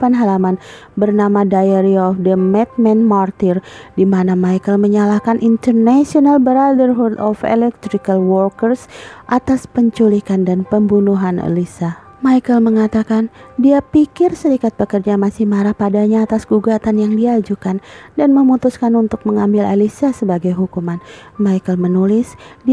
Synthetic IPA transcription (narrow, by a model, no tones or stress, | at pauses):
fanɦalaman | bərnamadajaɾiɔfdəmɛt̪̚mɛnmart̪ɪrdimanamaikəlməɲalahkanʔint̪ərnasionalbəɾadərɦud̪ɔfɛ̰lɛk̚t̪ɾikalwɔrkərsʔat̪aspəɲt͡ʃulikandanpəmbunuɦanə̰lisa | majkəlməŋat̪akandiapikɪrsəɾikat̪̚pəkərd͡ʒamasɪhmaɾahpadaɲaːt̪asɡ̥uɡat̪anjaŋdiad͡ʒukandanməmut̪uskanunt̪ʊk̚məŋambɪla̰lisasəbaɡajɦukumanmajkəlmənulɪsdi